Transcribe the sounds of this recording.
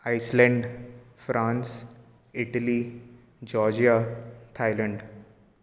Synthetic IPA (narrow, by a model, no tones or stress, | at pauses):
aɪslə̃ɳɖfɾãːns | ɪʈəli | d͡ʒɔːɾd͡ʒijat̪ʰaɪlə̃ɳɖ